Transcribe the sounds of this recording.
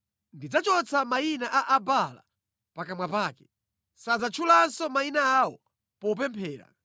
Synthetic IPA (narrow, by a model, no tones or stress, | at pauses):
ndid͡zat͡ʃɔt͡sʰamainaʔaʔabala̰ | pakamwapaːkɛ̥ | sad͡zat͡ʃʰulansɔmainaawɔ | pɔup̬ɛmpʰɛːɾa̰